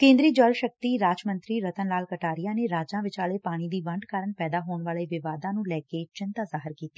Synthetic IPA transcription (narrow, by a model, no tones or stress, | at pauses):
kẽːnd̪ɾiːd͡ʒəlʃək̚t̪iːɾaːd͡ʒmə̃nt̪ɾiːɾət̪ənlaːlkəʈaːɾɪjãːneːɾaːd͡ʒãːʋɪt͡ʃaːleːpaːɽ̃iːd̪iːʋəɳɖkaːɾəɳpɛːd̪aːɦoːɳʋaːleːʋɪʋaːd̪ãːnũːlɛːkeːt͡ʃɪnt̪aːzaːɦɪɾkiːt̪eː